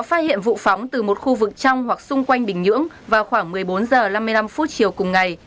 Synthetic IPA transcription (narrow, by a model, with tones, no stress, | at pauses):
ɔ˨˦faː˦˥t̚hḭ˧˨ənvṵ˧˨fɔ˨˦wŋ͡mt̪ɨ˨˩mo˨˩t̚xu˧vɨ˨˩k̚t͡ɕa˧wŋ͡mhwa˨˩k̚sʊ˧ŋ͡mkwa˧jŋ̟ɓï˨˩ŋ̟ɲɨ̰˧˥əŋ | vaː˨˩wxwaː˧˩ŋmɨ˨˩əjɓo˨˦nzəː˨˩la˧mːɨ˧jla˧mfu˦˥t̚t͡ɕi˨˩əwkʊ˨˩ŋ͡mŋa˨˩j